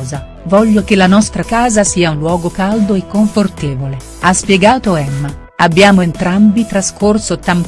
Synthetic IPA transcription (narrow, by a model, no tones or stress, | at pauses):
za | vɔʎːokelːanɔst̪ɾakaːzasiːaunlwɔːɡokald̪oekːoɱfort̪eːvole | aspjɛɡaːt̪oɛmːa | abːjaːmoent̪ɾambit̪ɾaskʰorsot̪ːam